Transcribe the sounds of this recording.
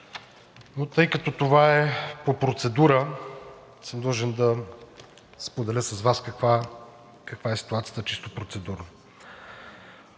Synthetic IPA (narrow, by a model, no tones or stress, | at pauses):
not̪ɤjkət̪ot̪ovaɛpopɾot̪sɛd̪uɾə | sɛmd̪lˠəʒɛnd̪ɐ | spod̪ɛlʲəsɐzvaskɐkva | kɐkvaɛsi̥t̪uat̪sijə̥t̪ət͡ʃist̪opɾot̪sɛd̪uɾnə